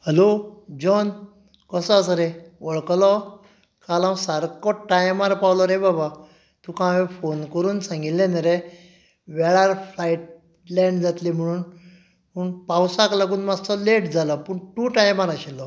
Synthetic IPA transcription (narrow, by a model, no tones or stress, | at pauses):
helod͡ʑɔn | kəsɔas̬ɾeɔɭklɔ | kalãwsaɾkɔʈajmaɾpawlɔɾebaba | t̪ũkãʋefonkəɾuːnsãŋɡillẽnaɾe | ʋɛɭaɾflajʈ̚ | lɛ̃ɳɖd͡zat̪lim̤əɽ̃uːn | puɳpawsaklaɡuːnmad͡zt͡sɔleʈd͡zalɔpəɳʈuʈajmaɾaɕilːɔ